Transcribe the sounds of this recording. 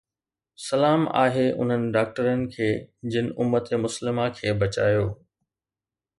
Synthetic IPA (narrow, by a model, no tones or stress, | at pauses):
sɐlaːma̰ːɦeʔʊ̰n̤ənɪ̆ɖaːk̚ʈəɾənɪ̆kʰeːd͡ʑɪnɪ̆ʔʊmːət̪emʊslɪmakʰeːbɐt͡ɕaːjoː